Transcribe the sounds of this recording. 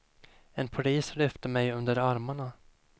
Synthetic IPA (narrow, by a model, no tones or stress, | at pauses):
ɛnpʰaliːslʏft̪əmɛjɵnd̪əɾaɾmaɳa